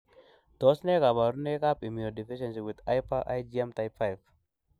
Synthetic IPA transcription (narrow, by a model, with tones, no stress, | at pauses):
d̥ɔ˦sne˦ka˨ba˨ɾu˦ne˦ka˦pi˨mi˨no˨di˨fi˦ʃɛ˨nsi˨wɪ˨d̪ajpaʔa̰jd͡ʒiɛ˦mta˨ɪpfajv